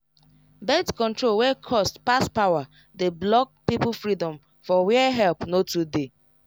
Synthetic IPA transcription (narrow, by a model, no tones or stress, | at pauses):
bɛtkɔ̃ntɹolwɛkʰɔstpaspawa | deblɔk̚pip̩fɹidɔ̃m | fɔwɛɛɦɛlpnotude